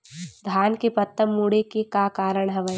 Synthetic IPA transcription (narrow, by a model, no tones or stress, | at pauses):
d̪ʱjaːnkepɐt̪ːəmːuːɽekekakaːɾəɽ̃ɦɛʋəj